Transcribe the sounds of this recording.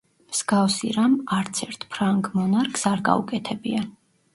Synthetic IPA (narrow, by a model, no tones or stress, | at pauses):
mz̥ɡafsiɾamaɾt̪sʰɛɾt̪ʰpʰɾaŋɡmɔnaɾkʰsaɾɡa̰ṵkʼɛt̪ʰɛbia